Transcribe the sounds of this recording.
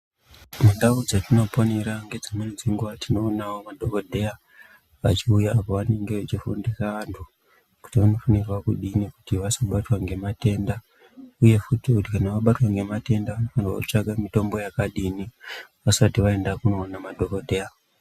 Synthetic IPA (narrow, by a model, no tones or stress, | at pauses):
mundaud͡zatino̞po̞ne̞ɾaŋɡe̞d͡zamuned͡ziŋɡuʋatino̞ːnawo̞madʱo̞ko̞dʱe̞a | ʋat͡ʃiujaːpo̞ʋane̞ŋɡe̞ʋat͡ʃifundikaʋantʰu | ku̥tiʋano̞fanirwakuɗiniku̥tiʋasaɓatwaŋɡe̞mate̞nda | uje̞futikutikanaʋaɓatwaŋɡe̞mate̞ndaʋano̞fanirwa̰kut͡ʂaɡamito̞mbo̞jakaɗiniʋasatiʋae̞ndakuno̞ːnamadʱo̞kodʱe̞ːa